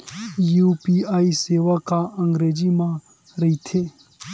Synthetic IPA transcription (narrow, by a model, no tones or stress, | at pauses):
jupiːaːiseːʋakaə̃ŋɡɾeːd͡ʒimã | ɾɐɦit̪ʰeː